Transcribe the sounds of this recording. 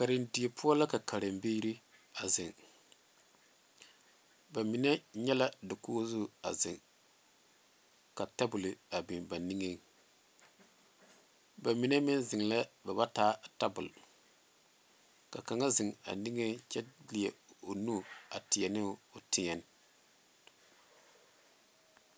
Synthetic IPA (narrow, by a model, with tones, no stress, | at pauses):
ka˨ɾɪ˨ndi˨e˨pʰʊ˦ɔ˦la˦ka˨ka˨ɾɪ˨mbe˦ɾi˦ | a˨zɪ˨ŋ | ba˨mi˨nɛ˦ɲɛ˦la˦dɪ˨kuː˦zʊ˦˨a̰˨zɪ̰˨ŋ | ka˨ta˦bʊ˨lɪ˨a˨bi˨nba˨ni˦ŋe˦ŋ | ba˨mi˨na˦mɪ˦n˦zɪ˨ŋla˦ba˨ba˦taː˦ta˦bʊ˨l | ka˨ka˨ŋa˦zɪ˨ŋa̰˨ni˦ŋe˦ŋt͡ʃɛ˦lɪ˨ɛ˨o˨nu˦˨a˨tɪ˨ɛ˨nɪ˦ʊ˨tɪ˦ŋɛ˨n˦